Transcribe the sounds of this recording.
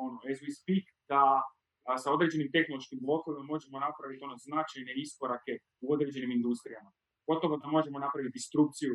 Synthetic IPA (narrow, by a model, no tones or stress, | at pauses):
onoezʋispik | d̪̥a | sao̞d̪ɾe̞d͡ʑe̞nimt̪e̞xno̞lˠo̞ʃkimblˠo̞koʋimamo̞ʒe̞mo̞napɾaʋit̪o̞no̞znat͡ʃajne̞isko̞ɾake̞ | uo̞d̪ɾed͡ʑe̞nimind̪ust̪ɾijama | ɡ̥o̞t̪oʋod̪amo̞ʒe̞mo̞napɾaʋit̪̚d̪ist̪ɾuk̚t̪siju